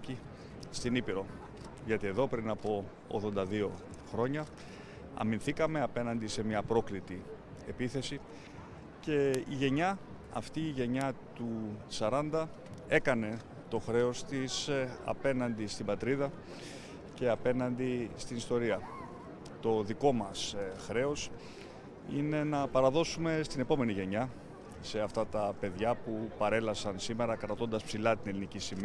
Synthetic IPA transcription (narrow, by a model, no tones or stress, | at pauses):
i | st̪inipiɾo̞ | ʝɐt̪ie̞ðo̞pɾinɐpo̞̰ː | ɣðo̞nd̪ɐðio̞xɾo̞ɲɐ | ɐ̰minθikɐme̞ɐpe̞nɐnd̪ise̞mɲɐpɾo̞klit̪i | e̞piθe̞si | ce̞iʝe̞ɲɐ | ɐ̰ft̪iːʝe̞ɲɐt̪usɐɾɐnd̪ɐ | e̞kɐne̞ | t̪o̞xɾe̞o̞st̪isɐ̰pe̞nɐnd̪ist̪imbɐt̪ɾiðɐ | ce̞ɐpe̞nɐnd̪ist̪inist̪o̞ɾiɐ | t̪o̞ðiko̞mɐsxɾe̞o̞s | ine̞nɐpɐɾɐðo̞sume̞st̪ine̞po̞me̞niʝe̞ɲɐ | se̞ɐft̪ɐt̪ɐpe̞ðʝɐpupɐɾe̞lɐsɐnsime̞ɾɐkɾɐt̪o̞nd̪ɐspsilɐt̪ine̞linicisim